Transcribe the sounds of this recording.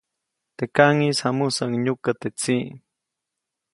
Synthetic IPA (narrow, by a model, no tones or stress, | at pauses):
t̪ekaŋisamʊsaŋɲʊkat̪et͡si